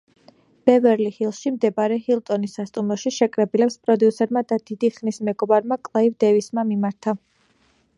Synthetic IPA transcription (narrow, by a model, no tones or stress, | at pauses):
b̥ɛvɛɾlihilˠʃimd̪ɛbaɾɛhilˠt̪ʼɔnisːast̪ʼumɾɔʃiʃɛkʼɾɛbilɛpspʼɾɔd̪iusɛɾmad̪ad̪̥id̪iχnismɛɡɔbaɾmakʼlˠaivd̪ɛvismamimaɾt̪ʰa